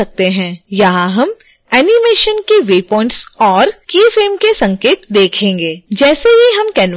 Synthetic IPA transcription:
ɐk̚t̪eɦɛ̃ːjɐɦãɦɐm | ɛːnimeːʃənkeʋeːpɔ̃ːɪ̃ɳʈsɔːɾkiːfeːmkesɐ̃ŋkeːt̪d̪eːkʰẽːŋɡeːd͡ʒɛːseɦiɦɐmkɛːn

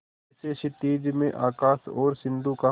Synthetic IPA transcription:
seʃɪt̪iːd͡ʒmẽʔa̰ːkaːsɔ̰ːɾsɪ̃nd̪uka

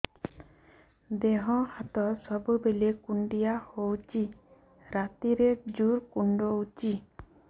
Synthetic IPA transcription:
d̪eɦɔ̃hat̪ɔsɔbubelekuɳɖijahowt͡ʃi | ɾat̪iɾed͡ʒuɾkuɳɖout͡ʃi

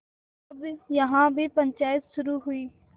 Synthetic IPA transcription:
bjəɦãːbʱipə̃ɲt͡ʃaːjət̪ʃʊɾuɦʊiː

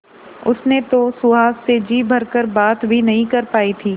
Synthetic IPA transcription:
ʊsnet̪osʊaːssed͡ʒiːbʱɐɾkəɾbaːt̪bʱinɐɦĩkɐɾpaːit̪ʰiː

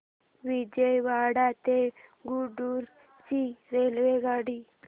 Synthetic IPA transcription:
ʋid͡ʒəjʋaɽat̪eɡuɖuɾ | siɾelʋeɡaɽi

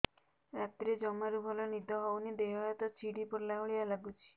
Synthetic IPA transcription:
ɾat̪iɾed͡ʒɔmaɾubʱɔlɔnid̪ʱɔɦɔwnid̪eɦɔjɔt̪ɔt͡ʃʰiɽipɔɾlauɭialaɡut͡ʃʰi̥

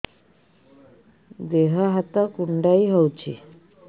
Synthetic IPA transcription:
d̪eɦɔɦat̪ɔkuɳɖajɦɔwt͡ʃʰḭ

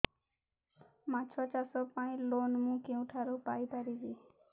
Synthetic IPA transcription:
mãt͡ʃʰɔt͡ʃasɔpãĩloːnmũkẽũʈʰaɾopaipaɾid͡ʒe

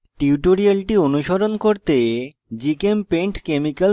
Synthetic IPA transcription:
ʈiuʈoɾialʈionuʃoɾonkoɾt̪e | d͡ʑikempeɳʈkemikal

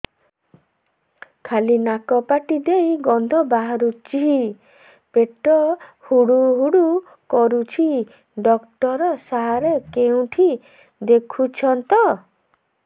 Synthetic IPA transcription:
kʰalinakɔpaʈid̪ejɡɔnd̪ʱɔbaɦaɾut͡ʃiɦi | peʈɔhuɽuɦuɽu | kɔɾut͡ʃʰi | ɖɔkʈɔɾɔsaɦaɾekeũʈʰi | d̪ekʰut͡ʃʰɔnt̪ɔ

